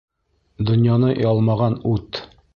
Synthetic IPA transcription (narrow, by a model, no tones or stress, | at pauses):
d̪ŏnjɑnɤjɒlˠmɑʁɑnʉt̪